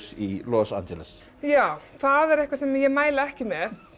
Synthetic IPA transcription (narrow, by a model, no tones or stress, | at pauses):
silɔsa̰nd͡ʒɛlɛs | jaːwθaðɛɾɛhkvasɛmjɛɣmaːjlɪɛhcɪmjɛð